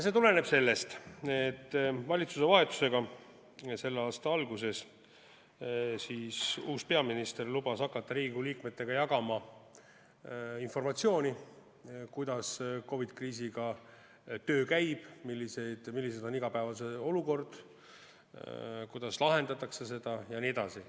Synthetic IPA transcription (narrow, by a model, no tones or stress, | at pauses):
se̞t̪ule̞ne̞b̥se̞lːe̞st̪et̪ːˑvɑlʲit̪suse̞vɑɦe̞t̪ːˑu̥se̞ɡ̥ɑ | se̞lːeɑːst̪ɑɑlɡus̬e̞s | siːsuːspe̞ɑminist̪erlub̥ɑsɑkːˑɑt̪ːɑɾiːɡuliːkme̞t̪ːe̞ɡ̥ɑjɑɡɑmɑ | info̞rmɑt̪sio̞ːnʲi | kujd̪ɑsko̞vid̪̥kriːsiɡ̥ɑ | t̪ø̞ːkæjb̥milːise̞jd̪̥milːised̪o̞niɡ̥ɑpæevɑs̬e̞o̞luko̞rd̪̥ | kujd̪̥ɑslɑɦe̞nd̪ɑt̪ːˑɑkse̞se̞d̪̥ɑjɑnie̞d̪̥ɑsi